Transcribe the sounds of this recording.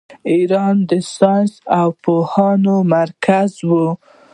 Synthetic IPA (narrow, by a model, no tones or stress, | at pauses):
iɾɑnd̪əsɑnsawpohɑnomaɾkazwu